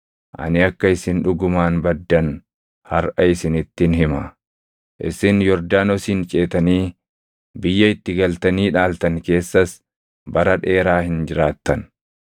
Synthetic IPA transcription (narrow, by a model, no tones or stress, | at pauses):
ʔɐ̰nɪɐkːɐɪsɪnᶑʊɡʊmaːnbɐd̪ːɐn | hɐɾʔɐɪsɪnɪt̪ːɪnɦɪmɐ | ʔɪ̰sɪnjɔɾd̪aːnɔsint͡ʃʼeːt̪ɐniː | bɪjːɐɪt̪ːɪɡɐlt̪ɐniːᶑaːlt̪ɐŋke̞ːsːɐs | bɐɾɐᶑe̞ːɾaːhɪnd͡ʒɪɾaːt̪ːɐn